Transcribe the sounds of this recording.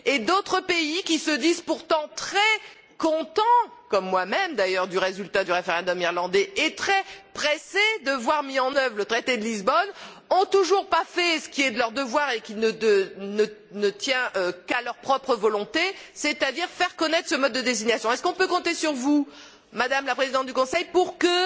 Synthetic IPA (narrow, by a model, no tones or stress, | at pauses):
ed̪ot̪χəpeikʲisəd̪izpuʁt̪ɑ̃t̪χɛ | kɔ̃t̪ɑ̃kɔmːwamɛmd̪ajœʁd̪yʁezylt̪ad̪yʁefeʁɛ̃d̪ɔmiʁlɑ̃d̪ɛet̪χɛpχesed̪əvwaʁmiɑ̃nœvʁlət̪χet̪ed̪əlizbɔn | ɔ̃t̪uʒuʁpafɛsə̥kʲiɛd̪əlœʁd̪əvwaʁekʲinəənə | nət̪jɛ̃ʔkalœʁpχɔpχəvɔlɔ̃t̪eset̪ad̪iʁfɛʁkɔnɛt̪χsəmɔd̪̚ːəd̪eziɲasjɔ̃ɛskɔ̃pøkɔ̃t̪esyʁvu | mad̪amlapχezid̪ɑ̃t̪̚d̪ykɔ̃sɛjpuʁkə